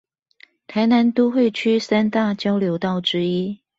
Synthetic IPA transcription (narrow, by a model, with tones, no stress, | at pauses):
t̪ʰa˧˥ɪna˨˦nt̪o˥xwe˥˨ɪt͡ɕʰy˥˩sa˥nt̪a˥˨t͡ɕjɑ˥ʊljo˨˧˥ʊt̪ɑ˥˩ʊʈ͡ʂɻ̩˥i˥